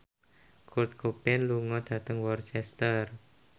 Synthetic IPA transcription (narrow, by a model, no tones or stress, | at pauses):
kut̪̚kʰupɪnluŋɔd̪̥ä̤t̪əŋwɔrt͡ʃɛst̪ər